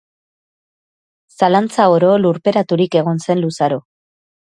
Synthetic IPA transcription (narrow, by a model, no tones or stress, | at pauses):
salant͡saoɾo̞luɾpe̞ɾat̪uɾike̞ɣ̞o̞nse̞nlusaɾo